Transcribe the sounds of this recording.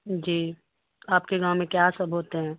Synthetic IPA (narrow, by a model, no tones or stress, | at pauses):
d͡ʒiː | aːpkeɡãːw̃mẽkjaːsəbʱɦoːt̪eɦɛ̃ː